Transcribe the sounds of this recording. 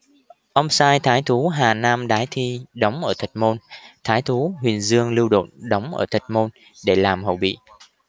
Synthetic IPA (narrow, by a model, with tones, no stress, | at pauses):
ʔə˧wŋ͡msaː˧jt̪ʰaː˨˦jt̪ʰu˨˦ɦaː˨˩naː˧mɗaː˨˦jt̪ʰi˧ɗə˨˦wŋ͡mʔəː˧˩t̪ʰï˨˩k̟̚mo˧nt̪ʰaː˨˦jt̪ʰu˨˦ɦwi˨˩ənzɨ˧əŋlɨ˧wɗo̰˧˨nɗə˨˦wŋ͡mʔə̰ː˧˩t̪ʰi˨˩k̟̚mo˧n | ɗe˧˩laː˨˩mɦə̰˧˨˩wɓḭ˧˨